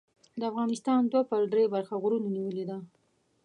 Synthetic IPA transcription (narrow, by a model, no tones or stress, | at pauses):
d̪əafɣɑnɪst̪ɑnd̪wapəɾɖ̪ɾebaɾxaɣɾunaniwəled̪a